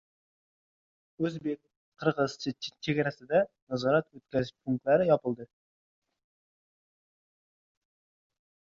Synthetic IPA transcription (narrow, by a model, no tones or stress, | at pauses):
ɵzbek̚ʲ | qʰəɾʁɨz̥t͡ʃʰɪt͡ʃʰeɡʲɛɾæsɪd̪ɛnɑzɒɾɑt̪wɵt̪̚kʲæzɪpʰuŋk̚t̪læɾɪjɒpɨlˠd̪ɨ